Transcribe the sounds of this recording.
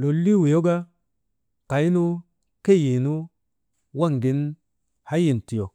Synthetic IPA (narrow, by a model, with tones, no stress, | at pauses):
lo˨lːi˦wi˨jo˦ɡa˦ | ka˨i˦nu˦ | ke˦ji˨nu˦ | wa˦˨ŋɡi˨n | ha˦ji˨n˨ti˨jo˨